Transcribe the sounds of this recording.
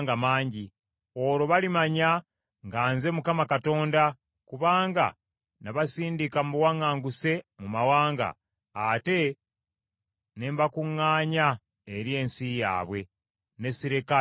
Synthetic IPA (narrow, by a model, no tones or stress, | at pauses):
ŋɡamaːɲɟi | o̞ɾo̞βalimaɲa | ŋɡaːnze̞mukamakato̞ːnda | kuβaːŋɡa̰ | naβasiːndikamuwaŋaːŋɡuse̞mumawaːŋɡa̰ | ate̞ | ne̞mbakuŋːaːɲa | eɾje̞ːnsija̰ːβwe̞ | ne̞siɾika